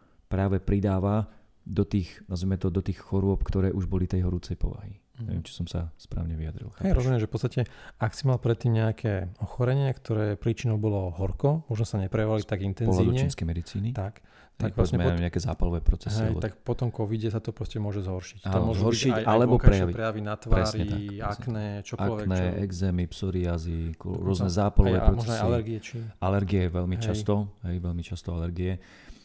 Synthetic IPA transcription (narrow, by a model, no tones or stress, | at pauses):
pɾaːʋɛpɾid̪aːʋa | d̪ɔt̪iːxnazijmɛt̪ɔd̪ɔt̪iːxxɔɾʊɔp̚kt̪ɔɾɛːʔuʒbɔlit̪ɛjɦɔɾuːt͡sɛjpɔ̰ʋa̰ɦi | ɲɛ̰ʋɪɛ̰mt͡ʃi̥sɔmsa̰spɾa̰ːʊɲɛʋiad̪ɾḭlxaɛjɾɔzunɛʒɛfpɔtt͡sst̪acɛaksimalpɾɛt̪ːiːmɲɛakʰɛːɔxɔɾɛɲɪakt̪ɔɾɛːpɾiːt͡ʃinɔʊbɔlɔɦɔɾkɔmɔʒnɔsaɲɛpɾɛjaʋalit̪aɡint̪ɛnɔɦzlaiːd̪uɲt͡ʃɛinskɛjmɛd̪it͡siːnit̪ak | t̪akɔʋɛsɲɛaɲɛakɛːzaːpalɔʋɛːpɾɔt͡sɛsɦiɛj̪akpɔt̪ɔmkɔʋiɟɛsat̪ɔpɾɔscɛmʊɔʒɛzɦɔɾʃi̥caɔmnmɔzɦɛɔɾbiʃiaalɛbɔkapɾɛjaʋipɾɛjaʋinat̪ʋaɾɛːsɾiɲɛt̪akaknɛt͡ʃɔkaɔlkɛnɛʔɛɡzɛmipsɔɾiazikɾʊɔznɛzaːpalɔʋɛːpɾɔmɔt͡sʒsnsasjalɛɾɡiɛt͡ʃialɛɾɡiɛʋɛlmiɦt͡ʃasst̪ɔɦɛjʋɛlmit͡ʃast̪ɔalɛɾɡiɛ